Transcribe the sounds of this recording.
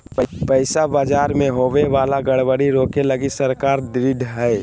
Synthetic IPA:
pəɪsabaːd͡ʒaːɾmẽɦoːʋeʋaːlaɡəɽʋəɽiɾoːkeləɡisəɾkaːɾd̪ɾɪɖɦɛː

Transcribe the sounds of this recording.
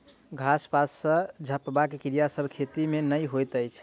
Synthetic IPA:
ɡʱaspasːəd͡ʒʱəpbakekiɾijasəbʱkʰet̪imenəjɦojt̪əjt͡ʃʰ

